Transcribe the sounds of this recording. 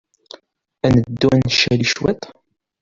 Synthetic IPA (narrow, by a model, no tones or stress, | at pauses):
ænəd̪ːuænʃæliʃwæt̪